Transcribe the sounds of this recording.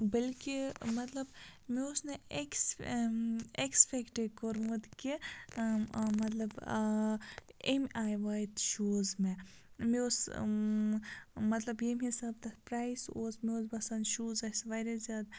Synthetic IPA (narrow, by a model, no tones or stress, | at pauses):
bɐlkimɐt̪lɐbmeosneeks | ekspʰekʈekoɾmɐd̪ki | mɐt̪lɐb | emajʋajt̪ʃuːzme | meos | mɐt̪lɐbjemɦisaːb̚t̪ɐpɾaːjsoːsmeoːzbɐsɐnʃuːzɐsʋaɾɐzʲjaːd̪